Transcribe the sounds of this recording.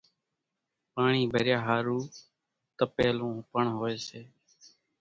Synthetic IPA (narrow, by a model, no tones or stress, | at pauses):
paːɳiːbʱəɾjaːɦaːɾuː | t̪əpeːlõːpəɳɦoːeːseː